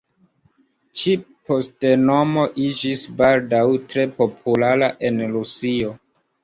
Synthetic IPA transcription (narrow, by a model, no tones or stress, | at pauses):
t͡ʃi | pʰo̞steno̞mo̞ʔid͡ʒisbaldawtɾe̞po̞pʰulaɾaʔe̞nɾusio̞